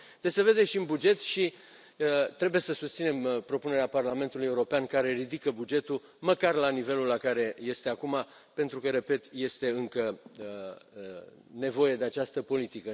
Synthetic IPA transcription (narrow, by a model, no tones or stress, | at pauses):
d̪̥e̞se̞ve̞d̪e̞ʃiɨnbud͡ʒe̞t̪ʃi | t̪ɾe̞buje̞səsust̪sine̞mpɾo̞puneɾeaparlame̞nt̪uluje̞uɾo̞peankaɾe̞rid̪ikəbud͡ʒe̞t̪u | məkarlanive̞lulːakaɾe̞je̞st̪e̞akuma | pe̞nt̪ɾukəɾe̞pe̞t̪je̞st̪e̞ɨŋkə | ne̞vo̞je̞d̪e̞at͡ʃast̪əpo̞lit̪ikə